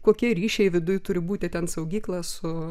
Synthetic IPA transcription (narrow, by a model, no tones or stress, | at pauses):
koːkʲiɛɾʲiːʃʲɛɪʋʲɪd̪ʊjt̪ʊɾʲɪbuːt̪ʲɪt̪ʲɛnsɐʊɡʲiːklˠɐsʊ